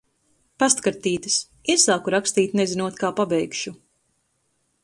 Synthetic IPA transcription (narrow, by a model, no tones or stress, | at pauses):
past̪kaɾt̪iːt̪ɨs | isaːkuɾakst̪iːt̪ʲnezinuɔt̪kaːpabɛjkʃu